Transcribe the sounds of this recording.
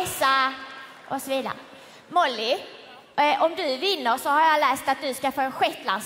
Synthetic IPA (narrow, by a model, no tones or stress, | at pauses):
sa | ʔɔsɔviːd̪a̰ɾə | mɔlːɪ | ʔɔmd̪ɵvɪnːəɾʂɔhaɾjɑlɛːst̪at̪̚d̪ɵskafoːɛnɧɛt̪la̰ns